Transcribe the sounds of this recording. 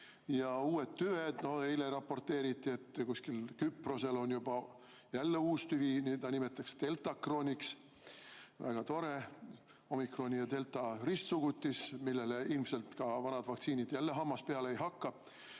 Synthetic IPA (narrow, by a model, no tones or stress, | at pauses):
jɑuːe̞t̪t̪ːyed̪̥no̞eileɾɑpːo̞rt̪ːe̞ːɾit̪ːˑie̞t̪ːkuskilkypro̞se̞lo̞njub̥ɑ | jælːe̞uːst̪yviniːt̪ɑnime̞t̪ːˑɑkst̪e̞lt̪ˑɑkro̞ːnʲiks | væ̰ɡ̥ɑt̪o̞ɾe̞ | o̞mikro̞nʲijɑt̪e̞lt̪ˑɑrist̪suɡ̥ut̪ʲːismilːe̞leilmse̞lt̪kɑvɑnɑd̪̥vɑkt̪siːnid̪̥jælːe̞ɦɑmːɑspeɑleejɦɑkːɑ